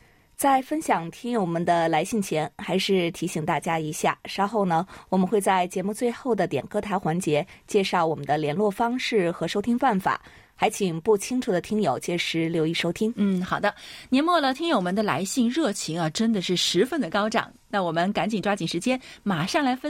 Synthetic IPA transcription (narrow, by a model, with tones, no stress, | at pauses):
t͡sa˥˩ɪfə˥nɕjɑ˨˩ŋt̪ʰi˥ŋjo˨˧ʊmə˧˦nd̪ə˧la˧˥ɪɕi˥˩ŋt͡ɕʰjɛ˧˥nxa˧˥ɪʂɻ̩˥˩t̪ʰi˧˥ɕi˨˩ŋt̪a˥˩t͡ɕja˥i˧˥ɕja̰˥˩ʂɑ˥xo˥˩ʊnə˩wɔ˨˩mə˦nxwe˥˧ɪt͡sa˥˩ɪt͡ɕjɛ˧˥mu˥˧t͡swe˥˧ɪxo˥˩ʊd̪ə˩t̪jɛ̰˨˩nkɤ˥˩t̪ʰa˧˥ɪxwa˧˥nt͡ɕjɛ˧˥t͡ɕjɛ˥˧ʂɑ˥˩ʊwɔ˨˩mə˦nd̪ə˧ljɛ˧˥nlwɔ˥˩fɑ˥ŋʂɻ̩˥˩xɤ˧˥ʂo˥ʊt̪ʰi˥ŋpa˥˩nfa̰˨˩˦ | xa˧˥ɪt͡ɕʰi˨˩ŋpu˥˩t͡ɕʰi˥ŋʈ͡ʂʰu˨˩d̪ə˩t̪ʰi˥ŋjo˨˩ʊt͡ɕjɛ˥˩ʂɻ̩˧˥ljo˧˥ʊi˥˩ʂo˥ʊt̪ʰi˥ŋn̩˥˩xɑ˨˩d̪ə˦njɛ˧˥nmwɔ˥˩lə˩t̪ʰi˥ŋjo˨ʊmə˧˥nd̪ə˧la̰˧˥ɪɕi˥˧ŋɻɤ˥˩t͡ɕʰi˧˥ŋɐ˧ʈ͡ʂə˥nd̪ə˨ʂɻ̩˥˩ʂɻ̩˧˥fə˥˩nd̪ə˩kɑ˥ʊʈ͡ʂɑ̰˨˩˦ŋna˥˩wɔ˨˩mə˦nka˧˥nt͡ɕi˨˩ŋʈ͡ʂwa˥t͡ɕi˨˩ʂɻ̩˧˥t͡ɕjɛ˥nma˨˩ʂɑ˥˩ŋla˧˥ɪfə˥